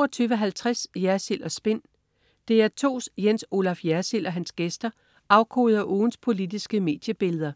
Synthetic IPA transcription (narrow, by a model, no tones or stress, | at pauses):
oɒt͡sʰyːʊʋəɦælt͡sʰʁasjæɐsil̰ɒsb̥e̝n̰ | d̥e̝æɐt͡sʰo̝̰ːsjenso̝lɑ̈fjæɐsilɒ̽ɦænsɡ̥esd̥ɐ | ʔɑ̈ʊkʰo̝ːðˠɐʔoːn̩spʰo̝lid̥isɡ̥əme̝̰ːd̥jəb̥e̝ləð̞ˠɐ